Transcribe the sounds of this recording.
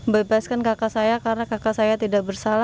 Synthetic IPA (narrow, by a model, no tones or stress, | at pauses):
bebaskankakasajakarnakakasajat̪idaʔbərsala